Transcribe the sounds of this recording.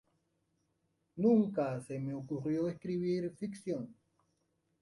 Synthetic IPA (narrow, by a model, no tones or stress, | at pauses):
nũŋkasemeokurjoeskɾiβiɾfiksjon